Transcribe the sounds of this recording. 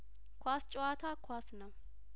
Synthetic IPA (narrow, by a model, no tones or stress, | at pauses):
kʰʷast͡ʃʼoat̪ʰakʰwʷasnəw